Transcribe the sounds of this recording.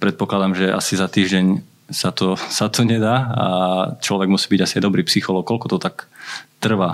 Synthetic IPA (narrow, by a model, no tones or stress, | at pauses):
pɾɛt̪̚pɔklad̪amʒɛʔa̰sizat̪iːʒɟɛɲ | sat̪ɔsat̪ʰɔɲɛd̪aːat͡ʃlɔʋɛɡmusiːbiɟasiajd̪ɔbɾiːpsixɔlɔːk̚kɔlkɔt̪ɔt̪akt̪r̩ʋa